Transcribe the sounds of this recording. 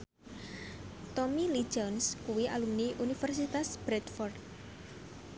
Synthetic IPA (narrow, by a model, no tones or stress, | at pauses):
t̪ɔmili̥d͡ʒɔnskuwiʔa̰lumniʔunifɛrsit̪asb̥ɾɛt̪fɔrd̪̚